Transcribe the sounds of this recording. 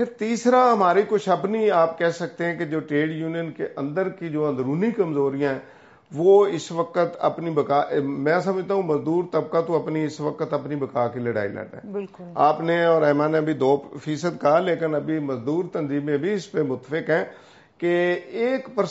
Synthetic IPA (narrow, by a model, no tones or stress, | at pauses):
pʰɪɾt̪iːsɾaːɦəmaːɾikʊt͡ʃʰəbniaːpkɛːsək̚t̪ẽɦɛ̃ked͡ʒoːʈɾeːɖjuːnijənkḛʔə̃nd̪əɾkid͡ʒoːãd̪ɾuːnikəmzoːɾijãːɛ̃ː | ʋoːɪsʋəkət̪ə̰pnibəkaːʔmɛ̃ːsəməd͡ʒt̪aːɦũməzd̪uːɾt̪əb̚kat̪õəpniɪsʋəkət̪əpnibəkaːkiləɽa̰ːḭlɛ̰ɖɛ̰̃ːbɪlkʊaːpneɔːɾɛːmãːneəbʱid̪oːfʰiːsəd̪kaleːkənəbʱiməzd̪uːɾt̪ənziːmẽbʱiɪspemʊt̪ːəfɪkɦɛ̃ː | keeːkpəɾ